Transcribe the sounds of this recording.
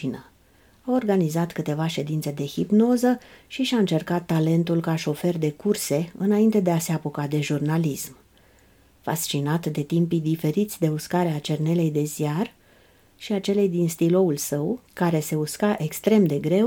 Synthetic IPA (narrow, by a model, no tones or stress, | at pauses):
inə | ao̞rɡanizat̪kɨt̪e̞vaʃe̞d̪int̪se̞d̪e̞hipno̞zəʃiʃaɨnt͡ʃe̞rkat̪ːale̞nt̪ulkaʃo̞fe̞rd̪e̞kurse̞ɨnaint̪e̞d̪e̞aseapokad̪e̞ʒurnalism | fa̰st͡ʃinat̪d̪e̞t̪impid̪ife̞ɾit̪sʲd̪e̞uskaɾeat͡ʃe̞rne̞le̞jd̪e̞zijar | ʃiat͡ʃe̞le̞jd̪inst̪ilo̞ulsəwkaɾe̞se̞uskaʔe̞kst̪ɾe̞md̪e̞ɡɾe̞w